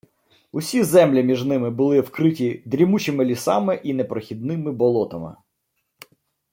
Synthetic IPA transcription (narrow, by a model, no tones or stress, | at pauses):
ʊsʲizɛmlʲimʲiʒnɪmɪbʊlˠɪwkɾɪtʲid̪ɾʲimut͡ʃɪmɪlʲisɑ̰mɪʔinɛpɾɔxʲid̪̚nɪmɪbɔlˠɔt̪ɐmɪ̰